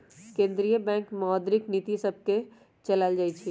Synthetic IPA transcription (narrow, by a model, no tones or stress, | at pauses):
kẽnd̪ɾijəbɛ̃ŋkmɔɦɔd̪ɾiknit̪isəb̚ʱke | t͡ʃəlald͡ʒajt͡ʃʰi